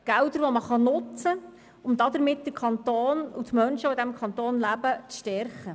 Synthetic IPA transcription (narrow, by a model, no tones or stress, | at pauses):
ɡ̥ældəɾʋɔməχɑnʊt͡sə | ʊmd̥̪ɑd̪əɾmɪt̚d̥əkʰɑnt̪oːnutmœnʃəod̪æmkʰɑnt̪oːnlæbət͡sʃtɛɾχə